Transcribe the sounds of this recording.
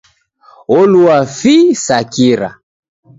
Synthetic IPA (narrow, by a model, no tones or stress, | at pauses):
ɔluafisakiɾa̰